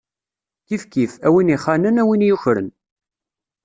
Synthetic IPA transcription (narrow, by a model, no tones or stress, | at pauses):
kifkifæwiniχːanənæwinjuçɾə̰n